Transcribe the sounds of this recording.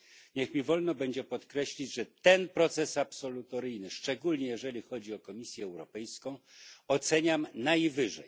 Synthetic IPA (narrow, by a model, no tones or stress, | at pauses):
ɲɛxmʲivɔlnɔbɛɲd͡ʑɛpɔt̪kɾɛɕlʲid͡ʑʐɛt̪ɛnpɾɔt̪sɛsapsɔlut̪ɔɾɘjnɘʂt͡ʂɛɡulɲɛjɛʐɛlʲixɔd͡ʑiɔkɔmʲisʲjɛːwɾɔpɛjskɔ̃w̃ɔt̪sɛɲamnajvɘʐɛ̰j